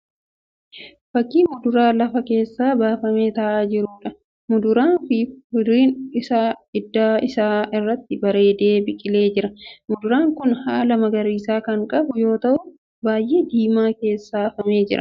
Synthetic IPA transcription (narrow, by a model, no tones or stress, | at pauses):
fɐkːiːmʊd̪ʊɾaːlɐfɐke̞ːsːaːbaːfɐme̞ːt̪ɐʔaːd͡ʒɪɾʊːᶑɐ | mʊd̪ʊɾaːnfɪmʊd̪ɾiːnɪsaːɪd̪ːaːɪsaːɪrːɐt̪ːɪbɐɾe̞ːd̪e̞ːbɪkʼɪle̞ːd͡ʒɪɾɐmʊd̪ʊɾaːŋkʊnhaːlɐmɐɡɐɾiːsaːkɐŋkʼɐbʊjo̞ːt̪ɐʔʊ | baːjʔe̞ːd̪iːmaːke̞ːsːaːfɐme̞ːd͡ʒɪɾɐ̰